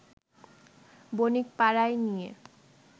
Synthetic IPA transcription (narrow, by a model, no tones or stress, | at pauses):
bonikpaɾajnijḛ